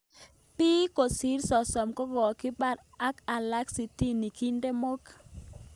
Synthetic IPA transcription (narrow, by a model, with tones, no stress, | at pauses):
pi˦ko˨si˦ɾsɔ˨sɔ˨mkɔ˦ɡɔ˨kɪ˦pa˦˨ɾ | a˦ka˨la˦ksi˨ti˦ni˨ki˦nde˦mo˦k